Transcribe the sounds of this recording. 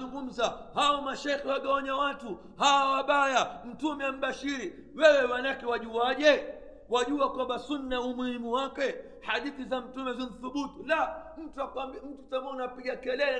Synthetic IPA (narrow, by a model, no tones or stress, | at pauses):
uŋɡum̩zahaɔmaʃaxiwaɡaɔɲawatu | hawawaɓajam̩tumɛam̩ɓaʃiɾi | wɛwɛwanakɛwaʄuaʄɛ | waʄuakwambasunːaumuhimuwakɛ | haɗiθizam̩tumɛzinθuɓutilam̩tuakaim̩tutamɔnapiɡakɛlɛlɛ